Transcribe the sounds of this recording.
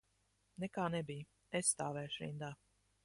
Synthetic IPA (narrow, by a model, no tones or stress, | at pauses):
nɛkaːnɛbij | esːt̪aːvɛːjʃɾḭnd̪aː